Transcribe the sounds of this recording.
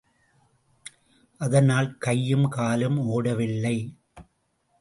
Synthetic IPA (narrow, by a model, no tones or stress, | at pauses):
ʔɐðɐnaːlkɐjːɯmkaːlɯmoːɽɐʋɪlːɐɪ